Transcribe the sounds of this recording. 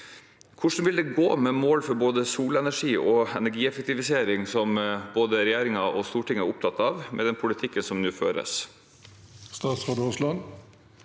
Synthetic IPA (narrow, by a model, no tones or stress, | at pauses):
kʰʊʂn̩ʋɪld̪ɛɡoːmɛmoːlfɔɾboːd̪əsuːlɛnæʂiːʔɔɛnæɾɡiːɛfɛk̚t̪ɪʋɪseːɾɪŋsɔmboːd̪əɾɛjeːɾɪŋɑɔst̪uːʈɪŋəæɾʊp̚t̪ʰɑt̪ːɑːʋmʔɛ̰d̪ɛnpʰʊlɪt̪ʰɪkːənsɔmnʉːfø̰ːɾə̰s | st̪ɑːt̪sʁɑːd̪oslɑn